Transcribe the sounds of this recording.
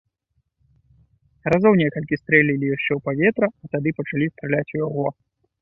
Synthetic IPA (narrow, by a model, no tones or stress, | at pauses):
razɔwnʲɛkɐlʲkʲist̪ɾɛlʲilʲijaʂt͡ʂɛwpavʲɛt̪ɾɐːt̪ad̪ɨpɐt͡ʂalʲist̪ɾɛlʲat͡sʲujaɣɔ